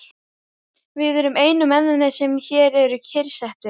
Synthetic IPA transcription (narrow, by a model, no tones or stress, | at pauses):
vɪðɛɾʏmeːjnʏmɛnðʏnasɛmçɛːɾɛɾʏcʰɪɾsɛht̪ɪ